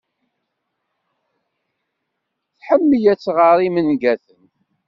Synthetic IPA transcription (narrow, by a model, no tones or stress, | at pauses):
θħəmːəjæt͡sːʁəɾˤimənɡæθən